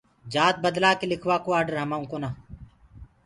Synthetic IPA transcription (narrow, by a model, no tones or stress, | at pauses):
d͡ʒaːt̪̚bəd̪laːkelɪkʰʋaːkoːaːɖəɾɦəmaːũːkoːnaː